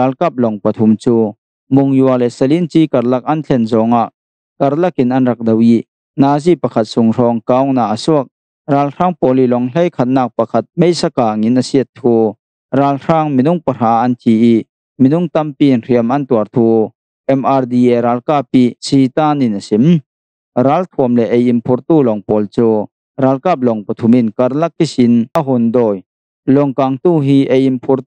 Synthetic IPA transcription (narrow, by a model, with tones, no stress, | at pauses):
aː˨lka˦˩p̚lɔ˨ŋpɐ˨t̪ʰu˨mt͡suː˧ | mʊ˨ŋju˨ɐlɛ˨sɐ˧li˥nt͡siː˦kɐ˨rlɐ˧k̚ʔɐ˦nt͡ɬʰɛ˨nzɔ˨ŋa˧˨ʔ | kɐ˨rlɐ˦kɪ˨nʔɐ˦nrɐ˨k̚dɔ˧wi˧ | naː˧zi˨pɐ˨kʰɐ˨t̪̚sʊ˨ŋrɔː˧ŋka˧˨wna˨ʔə˨su˦ək̚ | raː˧lr̥aː˥ŋpɔ˨li˨lɔ˨ŋle˦jkʰɐ˨t̪̚naː˧k̚pɐ˨kʰɐ˧t̪̚me˦jsa˧kaː˨ŋi˨nʔɐsi˧ə˩tt̪ʰːuː˦ | raː˨˧lraː˧ŋmi˨nʊ˧ŋpɐ˨r̥aː˨ʔɐ˦nt̪ʰi˨i˥ | mi˨nʊ˧˥ŋt̪ɐ˧mpiː˧i˨nri˧˨əmɐ˨nt̪u˨ə˨rt̪ʰuː˦ | ʔɛ˧ma˨˧rd̪i˧˨ʔɛ˨ɾaː˨˧lkaː˧pːi˧˨si˧t̪aː˥˨ni˨nʔɐ˨si˨m | raː˨˦lt̪ʰu˨əmlɛ˨ʔe˨ji˨mpʰu˧˥rt̪uː˧˨lɔ˨ŋpɔː˨lt͡suː˦ | raː˨˧lkaː˦˧p̚lɔ˨ŋpɐ˨t̪ʰu˨˧mɪ˥˨nkɐ˧˥rlɐ˦k̚ːi˦si˨na˧ɦɔ˨nd̪ɔː˧˩j | lɔ˨ŋka˨ŋt̪uː˧˨ɦiː˦ʔe˧˨ji˨mpʰu˧r